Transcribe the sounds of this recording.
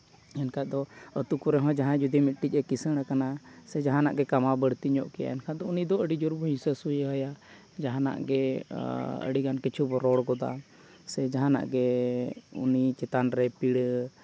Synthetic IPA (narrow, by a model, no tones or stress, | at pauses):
ɛnkʰad̪ɔət̪ukuɾɛɦɔ̃d͡ʒaɦãd͡ʒud̪imit̪̚ˀʈic̚ɾɛkisəɽ̃akanasɛd͡ʒaɦãna̰ʔɡɛkamabəɽt̪iɲɔʔkɛja̰ɛnkʰad̪ɔunid̪ɔəɖid͡ʒuɾbʱəĩsəsujɦəja | d͡ʒaɦãna̰ʔɡɛ | ə̰ɽiɡankit͡ʃʰubɔɾɔɽɡɔd̪a̰ | sɛd͡ʒaɦãna̰ʔɡɛ | ṵnit͡ʃɛt̪anɾɛpiɽ